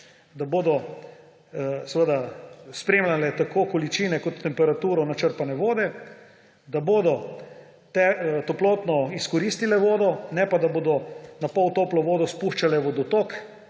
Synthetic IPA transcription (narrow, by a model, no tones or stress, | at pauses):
d̪aboːd̪ɔ | sɛʋəd̪aspɾeːmlalɛt̪akoːkɔlit͡ʃiːnɛkɔt̪ːɛmpɛɾat̪uːɾɔnat͡ʃəɾpanɛʋoːd̪ɛ | d̪aboːd̪ɔ | t̪ɛt̪ɔplot̪nɔiskɔɾiːst̪ilɛʋoːd̪ɔnɛpad̪aboːd̪ɔnapɔwt̪oːplɔʋoːd̪ɔspuʃt͡ʃalɛʋɔd̪ɔt̪oːk